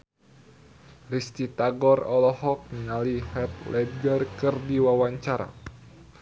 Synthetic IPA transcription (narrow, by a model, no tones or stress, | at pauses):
rist̪it̪aɡɔrɔlɔhɔk̚nalihɛp̚lɛd̚ɡərkɨrdiwawaɲt͡ʃaɾa̰